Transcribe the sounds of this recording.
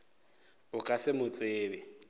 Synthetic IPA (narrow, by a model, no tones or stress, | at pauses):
ʊkʼasɪmʊt͡sʼeːbɪ